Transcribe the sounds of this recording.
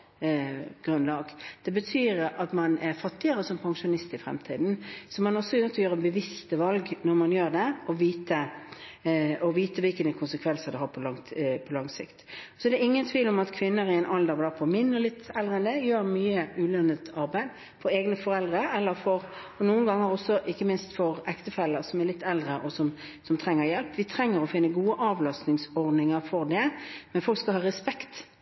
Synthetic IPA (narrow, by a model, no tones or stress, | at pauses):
ɡ̥ɾʉnlɑːɡd̪̥ɛbət̪ʰyːɾɑt̪mɑnʔɛɾfɑt̪ːɪəɾəsɔmpʰɑŋʂʊnɪst̪ɪfɾɛ̰mt̪ʰiːd̪n̩sɔmɑnɔsːɔnət̪ʰːɔjøːʁəbəʋɪst̪əʋɑlɡnɔʁmɑnjøːɾd̪ɛɔʋiːt̪ə | ɔʋiːt̪əʋɪlkənəkʰʊnsəkʰʋɛnsəʁd̪ɛhɑpʰɔlɑŋpʰɔlɑŋsɪ̰kt̪sɔɛd̪ɛɪŋːənt̪ʰʋiːʋlɔmɑt̪kʰʋɪnːəɾɪɛɪnʔɑld̪əɾʋd̪ɑpʰɔmɪnːəɾlɪt̪ːɛld̪ʁəɛnd̪ɛjøːɾmyːəʉːlœnːət̪ʰɑɾbæɪd̪ | fɔɾeːɡnəfɔɾɛld̪ɾəɛlːəɾfɔɾnuːənɡɑŋːəɾɔsːɔʔɪkːəmɪnst̪fɔɾʔɛkt̪əfɛlːəɾsɔmɛɾlɪt̪ːɛld̪ɾəʔɔsɔm | sɔmt̪ʰɾɛŋːəɾjɛlpʋɪt̪ʰɾɛŋːəɾɔfɪnːəɡuːəʔɑːʋlɑst̪nɪŋsɔɾd̪nɪŋəɾfɔɾd̪ɛmɛnfɔlkskɑlhɑːɾɛspɛkt̪